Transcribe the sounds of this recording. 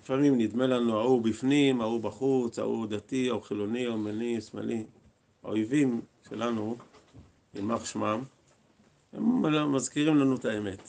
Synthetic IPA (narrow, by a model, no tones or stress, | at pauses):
lifamimnid̪me̞lanuaubifnimaubaχut͡sha̰ṵd̪at̪iauχilo̞niomenisma̰lʔi | a̰ojvimʃe̞̰lanu | ḭmaχʃmam | he̞̰mmazkiʁimlanutaeme̞t̪